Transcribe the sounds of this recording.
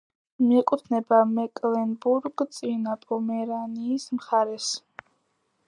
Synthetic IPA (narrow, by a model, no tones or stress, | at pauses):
miɛkʼut̪ʰnɛbamɛkʼlɛnbuɾɡt̪sʼinapʼɔmɛɾaniːsmχaɾɛs